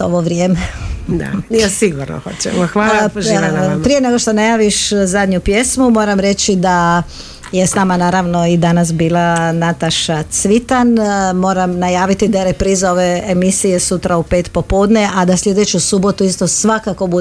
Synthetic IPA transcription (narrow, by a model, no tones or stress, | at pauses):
o̰ʋoʋɾjemed̪a̰asiɡuɾno̰xot͡ɕɛ̰moxʋaʒapɾijene̞ɡoʃt̪onajaːʋiʃzad̪ɲupjesmumo̞ːɾamɾe̞t͡ɕid̪a | je̞snaːmanaːɾaʋno̞id̪anasbiːlˠanat̪aʃat̪sʋit̪anmo̞ːɾamnajaːʋit̪id̪aeɾepɾiːzao̞ʋe̞emisije̞sut̪ɾaupe̞ːt̪po̞po̞ːd̪nead̪aslʲʎʲje̞d̪et͡ɕusubo̞t̪uist̪o̞sʋakako̞bu